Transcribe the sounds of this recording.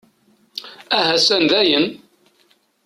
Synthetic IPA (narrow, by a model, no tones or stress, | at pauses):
æɦæsænðæjən